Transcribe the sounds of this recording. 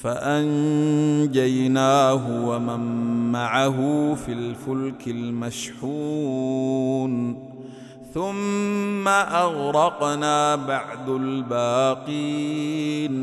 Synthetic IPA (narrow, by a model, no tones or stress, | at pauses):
faʔan | d͡ʒajnaːɦʊwamamːaʕaɦʊfilfʊlkɪlmaʃħuː | n | θʊmːaʔaɣɾɑqnaːbaʕd̪albaːqiː | n